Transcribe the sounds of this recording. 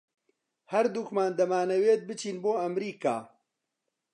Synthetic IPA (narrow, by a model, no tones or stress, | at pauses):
hɐɾd̪ukmaːnd̪ɐmaːnɐweːt̪̚bɨt͡ʃiːnboːɐmɾiːka̰ː